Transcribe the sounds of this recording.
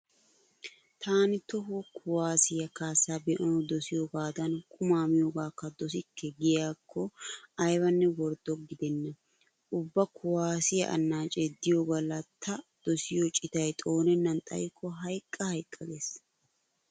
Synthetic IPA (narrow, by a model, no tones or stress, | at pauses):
t̪ʰaːnɪt̪ɔɦɔkʰʊwaːsɪjɐkaːsaːbɛʔɔnd̪ɔsɪjoːɡaːd̪ɐnkʼʊmaːmɪjoːɡaːkːɐd̪ɔs̬ɪkːɛɡɪjaːkʰːɔɐjwɐnːɛwɔɾd̪ɔɡɪd̪ɛnːɐ | ʊbːɐkʰʊwaːsɪjɐ̰ʔɐ̰nːaːt͡ʃʼɛd̪ɪjoɡɐlɐt̪ʰːɐd̪̥ɔsɪjɔt͡ʃʼɪt̪ɐjt̪ʼo̞ːnɛnːɐnt̪ʼɐ̰jkʰːɔɦɐjkʼːɐhɐjkʼːɐɡes